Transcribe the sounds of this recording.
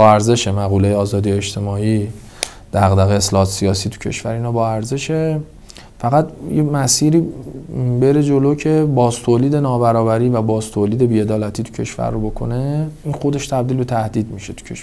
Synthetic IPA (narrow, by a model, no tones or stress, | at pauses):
bɒæɾze̞ʃe̞mæɣulejeɒːzɒːd̪ijeed͡ʒt̪ʰe̞mɒːiː | d̪̥æɣd̪æɣeeslɒːɒːt̪sijɒːsiːt̪ʰu̥cʰe̞̰ʃvæɾinɒːbɒːæɾze̞ʃe | fæɣæt̪jemæsiːɾiː | be̞ɾe̞d͡ʒoloːcʰe̞bɒːzt̪ʰoːliːd̪e̞nɒːbæɾɒːbæɾiːvæbɒːzt̪ʰoːliːd̪e̞biːe̞d̪ɒːlæt̪ʰiːt̪ʰu̥cʰe̞̰ʃvæ̰ɾːobo̞kʰo̞̰ne̞inxo̞d̪e̞ʃt̪ʰæb̚d̪iːlbe̞t̪ʰæhd̪iːd̪miʃet̪ʰu̥cʰḛʃ